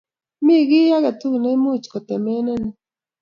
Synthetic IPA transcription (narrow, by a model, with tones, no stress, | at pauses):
mi˦˨ɣi˦ja˦ɣɛ˨t̪u˦ɣne˦mu˦˨t͡ʃkɔ˨t̪ɛ˨mɛ˦nɛ˦ni˨